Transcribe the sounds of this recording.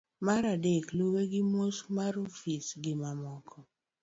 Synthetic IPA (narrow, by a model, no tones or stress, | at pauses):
maɾadekloweɡɪmosmaɾofisɡɪmamɔkʰɔ